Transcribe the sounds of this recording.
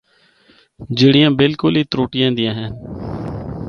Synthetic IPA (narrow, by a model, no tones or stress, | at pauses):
d͡ʒɪɽɪjãːbɪlkʊlɦiːt̪ɾoːʈɪjãːd̪ɪjãːɦɛ̃ːn